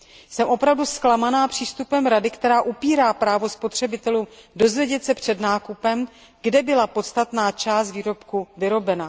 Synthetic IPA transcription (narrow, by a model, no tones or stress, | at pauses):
sɛmʔo̞pɾavdusklamanaːpr̥iːst̪upɛmɾadɪkt̪ɛɾaːʔupiːɾaːpɾaːvo̞spo̞t̪r̝̥ɛbɪt̪ɛluːmdo̞zvjɛɟɛt̪sɛpr̝̥ɛdnaːkupɛm | ɡdɛbɪlapo̞t̪st̪at̪naːt͡ʃaːst̪viːɾo̞pkuvɪɾo̞bɛna